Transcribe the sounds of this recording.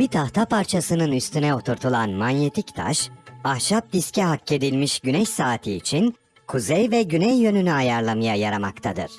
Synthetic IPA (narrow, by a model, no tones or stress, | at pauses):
bit̪ʰaht̪ʰapʰaɾt͡ʃʰasɯnɯnyst̪ynɛo̞t̪ʰuɾt̪ʰulˠanmanje̞t̪ʰict̪ʰa̰ʃahʃap̚d̪iscʰɛɦacːe̞d̪ilʲmiʃɟynɛʃsaːt̪ʰiːt͡ʃʰin | kʰuzɛjvɛɟynɛjːø̞nynyajaɾlˠamɯjajaɾamakt̪ʰad̪ɯ̰ɾ̥